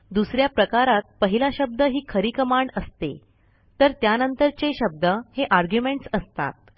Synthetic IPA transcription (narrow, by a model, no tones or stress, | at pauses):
d̪usɾjapɾəkaɾat̪̚pəɦilaɕəb̚d̪əɦiːkʰəɾikəmaɳəst̪ḛ | t̪əɾt̪janənt̪əɾt͡seɕəb̚d̪əheʔaɾɡjumeɳʈsəst̪a̰t̪̚